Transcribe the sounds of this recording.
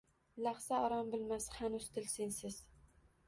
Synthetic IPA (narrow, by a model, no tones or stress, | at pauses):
laχsaɒɾɒmbɪlmashanʊzt̪ʰɪlsɪnsɪz̥